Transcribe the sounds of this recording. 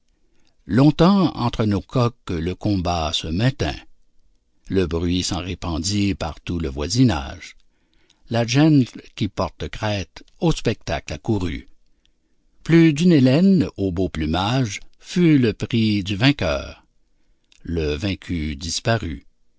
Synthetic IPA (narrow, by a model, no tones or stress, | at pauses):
lɔ̃t̪ɑ̃ɑ̰̃t̪ʁənokʰɔkləkɔ̃basəmɛ̃t̪ɛ̰̃ | ləbʁɥisɑ̃ʁepɑ̃d̪ipa̰ʁt̪uləvwa̰zina̰ːʒ | laʒɛnt̪kʲipɔʁt̪əkʁɛːt̪ospɛk̚t̪a̰klakuʁy̰ | plyd̪ynelɛnoboplymaʒfyləpʁid̪yvɛ̃kʲœ̰ːʁ | ləvɛ̃kʲʰyd̪ispaʁy